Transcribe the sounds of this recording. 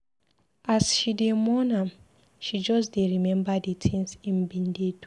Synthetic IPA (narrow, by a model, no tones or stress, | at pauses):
ʔasʃidemɔnãm | ʃid͡ʒɔsdeɹimɛ̃mbaditʰĩnsĩnbĩndet